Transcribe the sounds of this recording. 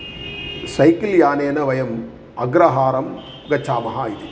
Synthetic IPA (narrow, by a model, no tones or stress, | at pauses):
sɐɪkiljaːneːnɐʋɐjɐm | ɐɡɾɐɦaːɾɐm | ɡɐt͡ʃːaːmɐɦaːid̪i